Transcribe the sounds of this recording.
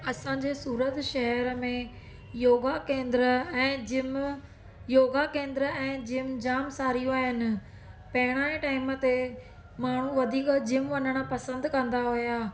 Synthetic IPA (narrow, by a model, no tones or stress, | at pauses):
ɐsãɲd͡ʑesuːɾət̪ʃɐɦɛɾəmẽ | joːɡakẽːnd̪ɪɾəɛ̃ːd͡ʑɪm | joːɡakẽːnd̪ɪɾəɛ̃ːd͡ʑɪmd͡ʑaːmsaːɾijũaːjənɪ̆ | pɐɦɪɽ̃aːeʈaːɪmət̪e | maːɳ̤ũʋɐd̪ʱiːkd͡ʑɪmʋɐɲəɽ̃apɐsə̃nd̪kɐ̃nd̪aɦojaː